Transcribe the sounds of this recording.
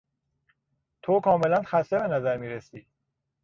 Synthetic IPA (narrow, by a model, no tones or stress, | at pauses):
t̪ʰokʰɒːme̞lænxæst̪ebe̞næzæɾmiːɾesiː